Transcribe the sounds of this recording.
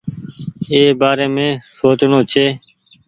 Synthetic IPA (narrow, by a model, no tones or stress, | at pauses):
eːbaːɾeːmẽːsoːt͡ʃnoːt͡ʃʰeː